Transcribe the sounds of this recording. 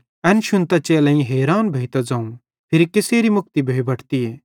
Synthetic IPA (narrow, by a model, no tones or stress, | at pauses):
ɛnʃʊnt̪at͡ʃeːlãĩɦeːɾaːnbʱeːjt̪ad͡zãːũ | pʰɪɾikɪseːɾimʊk̚t̪ibʱeːibɐʈʰt̪ieː